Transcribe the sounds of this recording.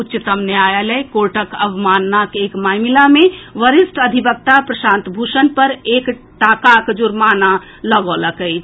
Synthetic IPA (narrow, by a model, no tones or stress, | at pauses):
utːt͡ʃt̪əmneajalɛkoɾʈəkəʋmanːakekmajmilameʋəɾisʈəd̪ʱibək̚t̪apɾəsãnt̪bʱusənpəɾek | ʈakakd͡ʒuɾmana | ləɡoləkəjt͡ʃʰ